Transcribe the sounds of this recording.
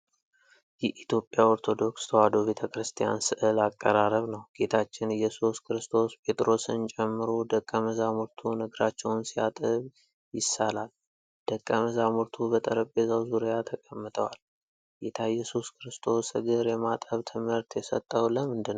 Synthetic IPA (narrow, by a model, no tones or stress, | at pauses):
jɛʔit̪jo̞pʼjao̞ɾt̪ʰo̞d̪o̞kst̪ʰəwad̪o̞βe̞t̪ʰəkɾɨst̪ʰija̰nsɨʔɨlakʼːəɾaɾəβnəwɡ̥e̞t̪ʰat͡ʃːɪnɨjɛsuskʰɨɾɨst̪ʰo̞spʰe̞t̪ʼɾo̞sɨnt͡ʃʼɛmːɨɾod̪əkʼːəməzamuɾt̪ʰunɨɡɾat͡ʃːɛwnsija̰t̪ʼɨβ | jɪsːalal | d̪̥əkʼːəməzamuɾt̪ʰubət̪ʼəɾəbbezəwzuɾijat̪ʰəkʼəmːɨt̪ʼʰəwal | ɡet̪ʰajɛsuskʰɨɾɨst̪ʰo̞sɨɡɨɾjɛmat̪ʼəβt̪ʰɨmɨɾt̪ʰjɛsə̰t̪ʼːəwləmɨnd̪ɨnː